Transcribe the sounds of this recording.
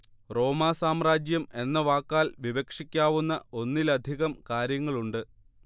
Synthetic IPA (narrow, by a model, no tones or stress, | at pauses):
ro̞ːmaːsaːmraːd͡ʑjɐme̞nːɐʋaːkːaːlʋiʋɐkʂikʲːaːʋunːɐo̞nːilɐd̪ʱiɣɐmkaːɾjɐŋːɐɭuɳɖɨ